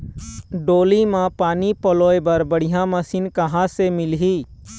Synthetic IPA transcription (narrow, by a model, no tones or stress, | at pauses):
ɖoːlimãpaːnipəloːebəɾbəɽijãmɐsiːnkəɦãsemɪlɦiː